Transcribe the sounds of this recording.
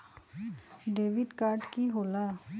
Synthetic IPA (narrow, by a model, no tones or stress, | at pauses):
ɖeːʋɪɖkaːɾʈkiːɦoːlaː